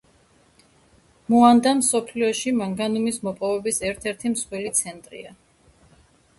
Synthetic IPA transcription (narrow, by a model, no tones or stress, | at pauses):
muand̪amsɔpʰliɔʃimaŋɡanumismɔpʼɔvɛbisɛɾt̪ʰɛɾt̪ʰimsχwɛlit̪sʰɛnt̪ʼɾḭa